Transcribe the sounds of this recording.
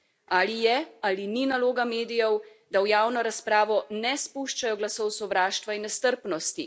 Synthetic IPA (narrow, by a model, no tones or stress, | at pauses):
aːlijɛalininaloːɡameːd̪ijɛw | d̪awjaːwnɔɾaspɾaːʋɔnɛspuʃt͡ʃajɔɡlasɔwsɔʋɾaːʃt̪ʋainːɛst̪əɾpnɔst̪i